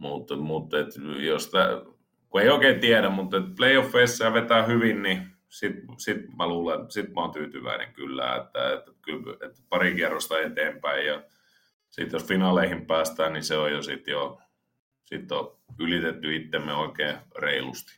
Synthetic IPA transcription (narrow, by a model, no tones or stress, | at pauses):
mut̪mut̪ːet̪jost̪æ̰ | kueˑioˑikeːt̪iæɾæmmut̪ːet̪̚pleiofːeisːeɑʋet̪æːˑhyʋinni | sit̪sit̪mæluːlensit̪mæont̪yːt̪yʋæ̰ˑinḛŋkylːæ̰ḛt̪ːæ̰et̪kylet̪pɑrikerːost̪ɑet̪eːmpæijjɑ | sit̪josfinɑˑleihimpæːst̪æːnniseojosit̪jo | sit̪ːoylit̪et̪ːyit̪ːemːeoˑikeːreilust̪i̥